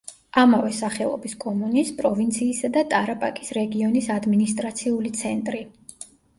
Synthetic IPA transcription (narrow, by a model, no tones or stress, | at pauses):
amavɛsaχɛlˠɔ̰biskʼɔmunispʼɾɔvint̪sʰiːsad̪at̪ʼaɾapʼakʼisɾɛɡiɔnisad̪minist̪ʼɾat̪sʰiulit̪sʰɛnt̪ʼɾi